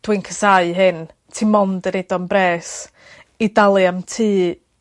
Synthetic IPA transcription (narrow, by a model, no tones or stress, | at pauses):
d̥wɨnkʰəsaɨɦɨn | tʰimɔndəɾedɔnbreːs | idalˠɨamtʰiː